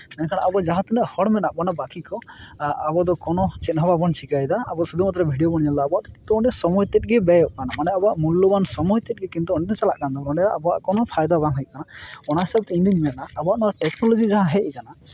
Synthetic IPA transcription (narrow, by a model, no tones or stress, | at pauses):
nɛnkʰaɽaʔabɔad͡ʒaɦãt̪unɛʔhɔɽmɛnaʔbɔnabakikɔabɔd̪ɔkɔnɔt͡ʃɛt̪nɦɔbabɔnt͡ʃikajd̪aːbɔsud̪umat̪ɾɛbʱiɖijobɔɽ̃ijalaːbɔaʔd̪ɔkint̪uɔɳɛsɔmɔjt̪ɛt̪̚ɡɛbɛjɔʔkanamanɛabɔaʔmulːobansɔmɔjt̪ɛt̚ˀɡɛkint̪uɔnɛt̪ɛt͡ʃala̰ʔkand̪abɔɾɔɳɖɛaʔabɔaʔkɔnɔpʰajd̪abaŋɦɛj̚kanaɔɽ̃aɦisab̚t̪ɛind̪immɛnaːbɔaʔnɔaʈɛknɔlɔd͡ʒid͡ʒaɦãɦɛʔkana